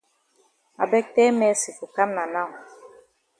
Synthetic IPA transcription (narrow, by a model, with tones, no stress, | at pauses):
a̰˨bɛ˦k̚tɛ˦mɛ˦si˨fu˨ka˦mna˨na˦˨w